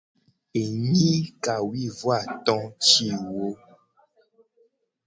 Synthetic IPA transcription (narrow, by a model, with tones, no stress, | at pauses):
e˨ɲĩ˦ka˨wi˦vwa˦˨t̪ɔ̃˦t͡ʃi˦˨wo˦